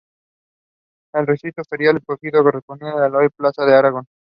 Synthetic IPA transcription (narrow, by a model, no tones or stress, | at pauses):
elresit̪ofeɾjaleposiðokeresponiaalojplasaðeaɾaɣon